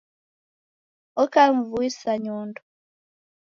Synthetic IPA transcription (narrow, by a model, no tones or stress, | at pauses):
ɔkalɱvuisaɲɔːndɔ